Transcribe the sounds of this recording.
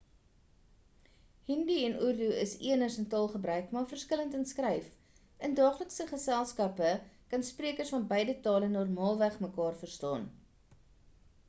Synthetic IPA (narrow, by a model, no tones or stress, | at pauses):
hindiɛnʔurduəsiənərsəntɑːlˠχəbɾœɥkmɑːrfərskələntənskrɛjf | əndɑːχləksəχəsælˠskɐpəkɐnspriəkərsfɐnbəjdətɑːlənɔrmɑːlˠvæχməkɑːrfərstɑ̰ːn